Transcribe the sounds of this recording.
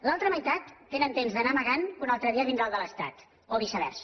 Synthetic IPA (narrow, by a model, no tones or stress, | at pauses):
lalˠt̪ɾəməjt̪at̪ːenənt̪emzðənaməɣanunalˠt̪ɾəðiəβind̪ɾalˠd̪ələst̪a̰t̪ | oβisəβɛ̰ɾs